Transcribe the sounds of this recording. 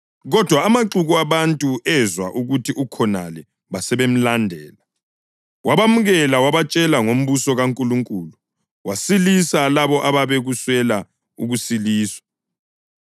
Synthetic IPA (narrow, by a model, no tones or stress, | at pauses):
ɣɔd̥ʱwaːmaǁuɣuaβantʼuɛzwa̰ʔuɣutʰiukʰɔna̰lɛ | βasɛβem̩landʱɛ̰ːla | waβamuɣɛlawaβat͡ʃʼɛlaŋom̩βusɔɣaŋkʼuluŋkʼuːlu | wasilisalaβɔʔaβaβeɣuswɛla | uɣusiliːswḁ